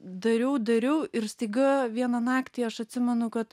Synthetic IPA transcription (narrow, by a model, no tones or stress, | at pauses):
d̪ɐɾʲɛʊd̪ɐɾʲɛʊɪɾsʲt̪ɐɪɡɐʋʲiɛnɐnɑːkt̪ʲiːɐʃɐt̪ʲsʲɪmʲɛnʊkɐt̪